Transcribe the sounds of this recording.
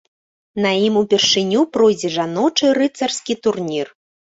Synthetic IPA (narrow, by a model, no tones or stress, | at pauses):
nɐjimupʲɛrʂɨnʲupɾɔjd͡zʲɛʐanɔt͡ʂɨɾɨt̪sɐrskʲit̪urnʲir